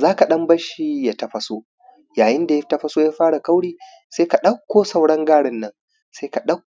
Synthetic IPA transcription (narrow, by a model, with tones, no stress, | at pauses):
zaː˦ka˨ɗɐ˦mbɐ˦ʃi˦ja˦tɐ˦ɸɐ˦so˦ | jaː˨jɪ˦nda˨ja˦tɐ˦ɸɐ˦soː˦jaː˦ɸaː˦ɽa˨ka˦wɽiː˦˨ | seː˦ka˨ɗɐ˦kʷːoː˦sɐ˨wɽɐ˦ŋɡaː˦ɽɪ˨nːɐ˦ŋ | seː˦ka˨ɗɐ˦k